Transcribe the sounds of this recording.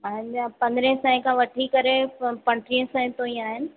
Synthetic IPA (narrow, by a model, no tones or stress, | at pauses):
pɐ̃ɦɪ̃ɲd͡ʑpɐ̃nd̪ɾẽɦsãːɪ̃kʰãʋɐʈʰikɐɾepɐ̃ɳʈɾiə̃sãːɪ̃t̪oiẽaːɦɪnɪ̆